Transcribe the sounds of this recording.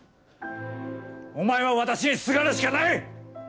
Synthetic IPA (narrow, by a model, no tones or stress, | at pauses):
o̞maeβaβat̪aɕiɲisɨɡaɾaɕi̥kanai